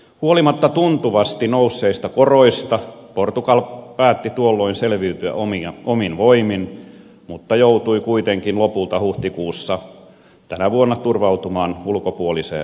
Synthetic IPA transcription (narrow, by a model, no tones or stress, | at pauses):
huolimɑt̪ːɑt̪unt̪uʋɑst̪inousːeist̪ɑkoroist̪ɑport̪ukɑlpæːt̪ːit̪uolːoinselʋiyt̪yæ̰ʔomiɑʔominʋoimin | mut̪ːɑjout̪uikuit̪eŋkinlopult̪ɑhuht̪ikuːsːɑ | t̪ænæʋuonːɑt̪urʋɑut̪umɑːnulkopuolisḛː